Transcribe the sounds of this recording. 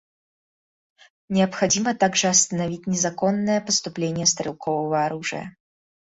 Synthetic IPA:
nʲɪɐpxad͡zʲimɐt̪aɡʐɨɐst̪ɐnavʲit͡sʲnʲɛzakɔnːəjɐpɐst̪ʊplʲenʲɪjəst̪ɾʲɨlˠkʰɔvɐvɐːɾuʐɨjɐ̰

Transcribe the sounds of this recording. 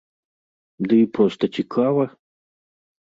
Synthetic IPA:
d̪ɨipɾɔst̪ɐt͡ɕʲɪkʰavɐ

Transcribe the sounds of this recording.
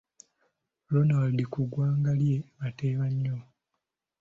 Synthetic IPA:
lonawadikuɡwaːŋɡalje̞βateːβaɲːo

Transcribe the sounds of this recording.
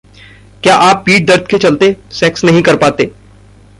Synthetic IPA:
kjaːʔaːpːiːʈ̚d̪ɐɾt̪̚ket͡ʃɐlt̪esɛːksnɐɦĩkɐɾpaːt̪eː

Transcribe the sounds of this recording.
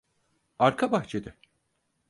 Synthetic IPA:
aɾkʰabaht͡ʃʰed̪ɪ

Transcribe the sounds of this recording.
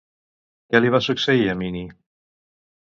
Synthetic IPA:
kɛliβ̞asuksəiəmini

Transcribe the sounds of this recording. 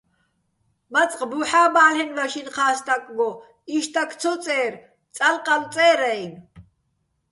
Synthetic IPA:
mat͡sʼqʼbuħaːbaːlɛnmaʃinqʰaːst̪ʼakʼɡɔ | iʃt̪ʰʼakʰt͡sʰɔt͡sʼɛːɾ | t͡sʼalqʼalt͡sʼɛːɾɛjn

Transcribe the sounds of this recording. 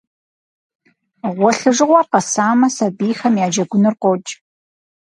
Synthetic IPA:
ʁʷɔɬɨʐɨʁʷɑːqɐsaːmɐsɐbiːxɐmjaːd͡ʒɐɡʷʊnɨrqʷot͡ʃʼ

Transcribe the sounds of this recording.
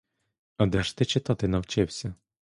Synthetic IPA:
ɐd̪ɛʃt̪ɪt͡ʃɪt̪ɑt̪ɪnɐwt͡ʃɪwsʲɐ

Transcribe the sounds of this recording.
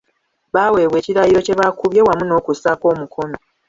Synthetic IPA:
βaːwe̞ːβwe̞ːciɾajiɾo̞ce̞βakuβje̞wamuno̞ːkusako̞ːmukʰo̞mi

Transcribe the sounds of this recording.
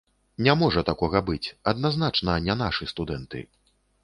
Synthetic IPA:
nʲamɔʐɐt̪akɔɣɐbɨt͡sʲɐd̪naznat͡ʂnɐnʲanaʂɨst̪ud̪ɛnt̪ɨ̰

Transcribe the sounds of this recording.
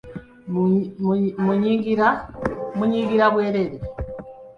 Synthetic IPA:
muɲiŋɡiɾamuɲiːɡiɾaβweːɾeɾe

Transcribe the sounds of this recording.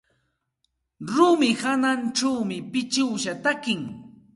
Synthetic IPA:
ɾʊmɪhananʈ͡ʂawmɪpɪt͡ʃɪwʃat̪akɪŋ

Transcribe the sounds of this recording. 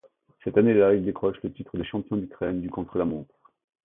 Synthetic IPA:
sɛt̪anelaild̪ekχɔʃlət̪it̪χəd̪eʃɑ̃pjɔ̃d̪ykχɛnd̪ykɔ̃t̪χəlamɔ̃t̪

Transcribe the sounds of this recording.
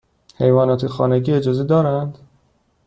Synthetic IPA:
he̞jvɒːnɒːt̪ʰexɒ̰ːneɟiːe̞d͡ʒɒːzed̪ɒːɾænd̪̥

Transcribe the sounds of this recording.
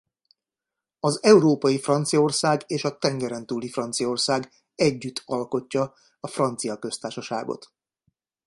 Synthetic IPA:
ɒzɛuɾoːpɒjifrɒnt̪sijɒo̞rsaːɡeːʃɒt̪ɛŋɡɛɾɛnt̪uːlifrɒnt̪sijɒo̞rsaːɡ | ɛɟːyt̪ʰːɒlko̞cːɒ | ɒfrɒnt̪sijɒkø̞st̪aːrʃɒʃa̰ːɡo̰t̪

